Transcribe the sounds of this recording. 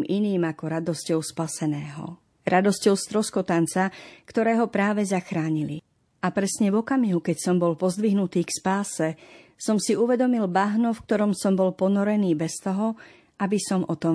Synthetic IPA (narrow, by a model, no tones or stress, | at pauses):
miniːmakɔɾad̪ɔscɔʊspasɛnɛːɦɔ̰ | ɾad̪ɔscɔʊst̪ɾɔskɔt̪ant͡sakt̪ɔɾɛːɦɔpɾaːʋɛzaxɾaːɲili | ʔapɾɛsɲɛvɔkamiɦukɛcsɔmbɔlpɔzd̪ʋiɦnut̪iːkspaːsɛsɔmsiuʋɛd̪ɔmilbaɦnufk̚t̪ɔɾɔmsɔmbɔlpɔnɔɾɛniːbɛst̪ɔɦɔ | abisɔmʔɔt̪ɔ